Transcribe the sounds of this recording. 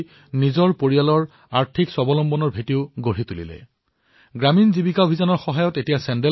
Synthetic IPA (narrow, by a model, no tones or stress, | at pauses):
nizɔɹpoɹijalɔɹ | aɹtʰikswɔbɔlɔmbɔnɔɹbʱetiʊɡoɹit̪ulḭlɛ̰ | ɡɹaminzibikaobʱizanɔɹxɔɦajɔtetijasɛndɛ